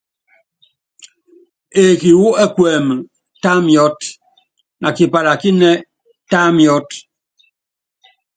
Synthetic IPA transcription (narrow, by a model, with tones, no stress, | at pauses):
e˨ki˨wu˦ɛ˦kwɛː˨m˨ | ta˦mjɔ˦t | na˨ki˨pa˨ɾa˨ki˦nɛ˦ | ta˦mjɔ˦t